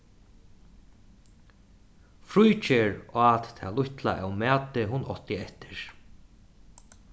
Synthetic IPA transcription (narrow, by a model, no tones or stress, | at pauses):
fɾujt͡ʃeɹat̪t̪ʰalʊht̪la̰ʔa̰wmæːt̪ɪɦʊnʔɔ̰ht̪ɪɛht̪ɪ̥ɹ̥